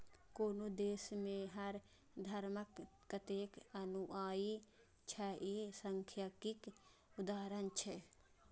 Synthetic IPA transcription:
koːnod̪eːsmẽɦəɾ | d̪ʱəɾməkː | ət̪ekənuʔaːi | t͡ʃʰɛʔisəŋkʰjəkikud̪aːɾənt͡ʃʰɛ

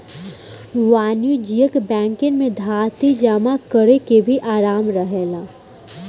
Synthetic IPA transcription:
ʋaːnjud͡ʒijəkbɛ̃ːŋkɪnmẽd̪ʱaːt̪id͡ʒaːmakəɾekebʱiʔaːɾaːmɾəɦeːlaː

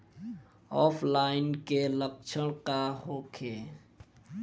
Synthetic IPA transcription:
ɔpʰlainkelək̚t͡ʃʰəɽ̃kaɦokʰe

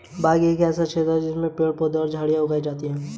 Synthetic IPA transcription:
bʱaːɡieːkɛːsat͡ʃʰeːt̪ɛd͡ʒɪsmẽpeːɽpoːd̪ɔːɾd͡ʒʱaːɽijaɦʊɡaːid͡ʒaːt̪iɦɛ̃ː

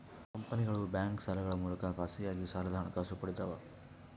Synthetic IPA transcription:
kɐmpɐniɡɐɭubjaːŋksɐlɐɡɐɭɐmuːlɐkɐkaːsijaːɡisaːɾɐd̪ʱaːɐɳɐkaːsupɐɽid̪ɐʋɐ

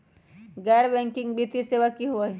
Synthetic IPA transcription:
ɡɛːɽbɛ̃ŋkɪ̃ŋɡbit̪iseʋakːiɦuai

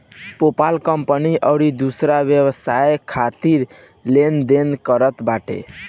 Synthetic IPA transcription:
popalkəmpəniʔəwɾid̪usɾaʋjəwəsajkʰat̪iɾ | lend̪enkəɾət̪baʈḛ

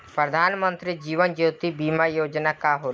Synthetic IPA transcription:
pɾəd̪ʱaːnmənt̪ɾid͡ʒiːʋənd͡ʒoːt̪ibiːmajoːd͡ʒnakaɦoː

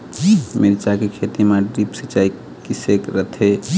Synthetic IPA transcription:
meɾit͡ʃakekʰet̪imaɖipsit͡ʃai | kisekɾət̪ʰe

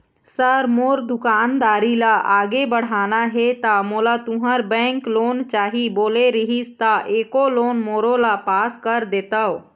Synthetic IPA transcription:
səɾmoːɾd̪ʊkaːnd̪aːɾilaaːɡebəɽ̤aːnaɦet̪amolat̪uɦəɾbɛ̃ŋkloːnt͡ʃaːɦiboːleɾəɦist̪aʔekoloːnmoːɾolapaːskəɾd̪eːt̪əw

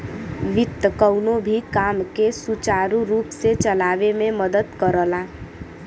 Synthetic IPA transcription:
ʋɪt̪ːəkəwnobʱikamkesut͡ʃaɾuɾuːpset͡ʃəlaʋememəd̪ət̪kəɾəla

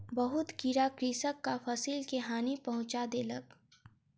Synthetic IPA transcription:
bɐɦʊt̪kiɾakɾiːsəkːafʰɐsiːlkeɦaːnipɐɦʊ̃t͡ʃad̪eːlə̰k

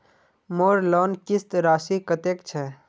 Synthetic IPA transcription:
moːɾlɔːnkɪst̪ɾaːʃikət̪eːkt͡ʃʰɛ

